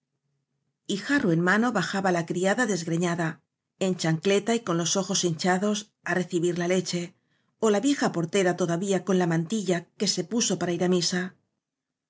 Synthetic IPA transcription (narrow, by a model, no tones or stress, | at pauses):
ixarue̞nmano̞βaxaβalakɾiaðaðe̞zɣɾe̞ɲaða | e̞nt͡ʃaŋkle̞t̪aiko̞nlo̞so̞xo̞sint͡ʃaðo̞s | are̞θiβiɾlale̞t͡ʃe̞ | o̞laβje̞xapo̞ɾt̪e̞ɾat̪o̞ðaβiako̞nlamãnt̪iʎake̞se̞puso̞paɾaiɾamisa